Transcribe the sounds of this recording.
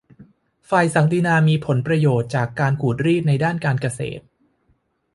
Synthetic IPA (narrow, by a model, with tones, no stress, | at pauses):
faː˧˩jsa˨˩˦ŋt̪i˧naː˧miː˧pʰo˩˦npɾa˧joː˨˩t̪̚t͡ɕaː˨˩kːaː˧nkʰuː˨˩t̪̚ɾiː˥˩t̪̚na˧jdaː˥˩nkaː˧nka˧sḛː˨˩t̪̚